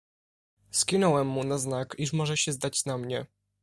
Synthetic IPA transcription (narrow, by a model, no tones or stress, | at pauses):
skʲinɔwɛmːunaznakiʂmɔʐɛɕɛzd̪at͡ɕnamɲɛ